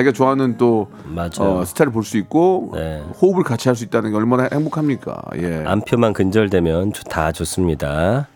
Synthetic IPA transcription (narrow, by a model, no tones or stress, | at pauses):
t͡ɕeɡet͡ɕoɦanɯnt͈o | mad͡ʑaʌsʰɯ̥t͡ɕʰaɾipoɭs͈uik̚k͈onehoubɯɭkat͡ɕʰiɦaɭs̬͈uit̚t͈anɯnɡe̞ʌɭmanheŋbokʰamɲik͈a̰je̞a̰mpʰjomankɯnd͡ʑʌɭdwe̞mjʌnt͡ɕo̥tʰat͡ɕos͈ɯmɲida